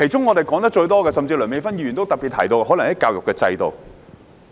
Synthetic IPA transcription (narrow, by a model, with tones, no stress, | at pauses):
kʰe˨˩jt͡ʃʊ˥ŋɔː˨˧t̪e˨jkɔː˨˥ŋt̪̬ɐ˥k̚t͡ʃɵ˧ɥt̪ɔː˥kɛː˧sɐ˨mt͡siː˧lœː˨˩me˧jfɐ˥njiː˧˩y˨nt̪o˥wt̪ɐ˨k̚pi˨t̪ʰɐ˨˩jt̪o˧whɔ˨˥lɐ˨ŋhɐ˨˦jkaː˧wjʊ˨kːɛː˧t͡sɐ̰˧jt̪o˨w